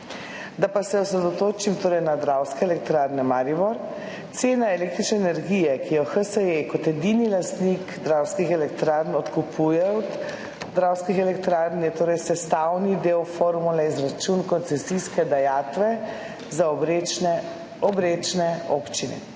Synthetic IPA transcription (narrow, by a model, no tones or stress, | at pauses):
d̪apasɛɔsɾɛd̪ɔt̪oːt͡ʃimt̪oːɾɛjnad̪ɾawskɛɛlɛk̚t̪ɾaɾnɛmaɾibɔɾ | t̪seːnaelek̚t̪ɾit͡ʃnɛːnɛɾɡijɛkijɔxəsəekɔt̪ɛd̪inilast̪nikd̪ɾawskixɛlɛkt̪ɾaɾnɔt̪kupʰujɛɔd̪ | d̪ɾawskixɛlɛkt̪ɾaɾnjɛt̪oːɾɛjsɛst̪awnid̪ewfoɾmulɛizɾat͡ʃunkɔnt̪sɛsiskɛd̪ajaːt̪ʋɛ | zaɔɾeɛ | ɔbɾet͡ʃnɛopt͡ʃinɛ̰